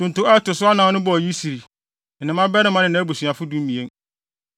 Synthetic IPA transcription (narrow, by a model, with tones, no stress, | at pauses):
tʊ̃˨n˨tʊ̃˦ɛ˦tʊ˨sʊ˦a˦nã˨˦nʊ̃˦bɔ˨ji˦si˨ɾi˨ | n̩˨nɪ̃˨mã˦bɛ˦ɾɪ˦mã˦nɪ̃˦nã˦bu˨sɥ̃a˨fʊ˦dũ˦m˦mĩ˨ẽ˦